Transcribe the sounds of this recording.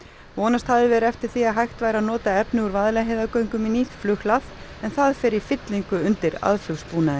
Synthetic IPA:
vɔːnast̪havðɪvɛːɾʏɛft̪ɪɾ̥θiaɦajxt̪vaːjɾaðnɔːt̪aɛpnɪuɾvaðlɛɦeːðakœɥŋkʏminiːt̪flʏhlaθɛnθaðfɛːɾɪ̥fɪt̪liŋkʏʏnt̪ɪɾa̰ðfʏwspuːnaðɪn

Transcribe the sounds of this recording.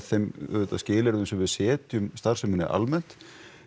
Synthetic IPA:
θejmɛt̪ːascɪːlɛɾʏmsɛmvɪðsɛːt̪jʏmst̪ar̥sɛmɪnːɪ̰ʔa̰lmɛn̥t̪

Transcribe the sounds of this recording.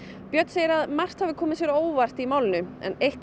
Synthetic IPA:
pjœt̪seːjɪɾaðmar̥t̪havɪkʰɔːmɪsjɛɾoːwvar̥t̪imaːwlɪnʏɛ̰nejht̪

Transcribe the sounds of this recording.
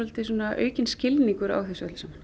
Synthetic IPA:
ɔlt̪ɪsuːnaʔœ̰ːɥcɪnscɪlniŋkʏɾa̰ːwθisœ̰lsamḁ

